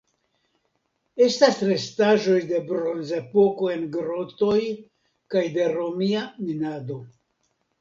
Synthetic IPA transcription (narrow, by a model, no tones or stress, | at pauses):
e̞stasɾe̞staʒo̞jde̞bɾo̞nzepo̞ko̞e̞nɡɾo̞t̪o̞j | kajde̞ɾo̞miaminad̪o̞